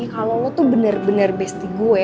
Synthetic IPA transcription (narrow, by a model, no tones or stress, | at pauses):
ikalolɔt̪ubənərbənərbɛst̪iɡu